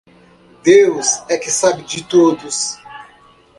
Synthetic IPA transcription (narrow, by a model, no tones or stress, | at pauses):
d̪ewsɛkɪsabɪd͡ʒɪt̪od̪ʊs